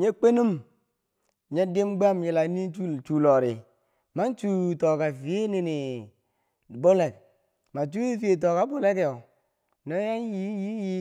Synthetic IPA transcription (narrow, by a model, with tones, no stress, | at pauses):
ɲe˦k͡pe˦ni˦m˨ | ɲe˦di˦mɡ͡ba˦mji˨la˨˦ni˦u˦t͡ʃu˨lo˨ɾi˨ | ma˦nt͡ʃu˨to˨ka˨fi˨e˦ni˦ni˨ | bo˦le˨k̚ | ma˨t͡ʃu˦i˦fi˦e˨t̬o˨ka˨˦bo˦le˦ko˨ | no˦ja˦nji˦ji˦ji˦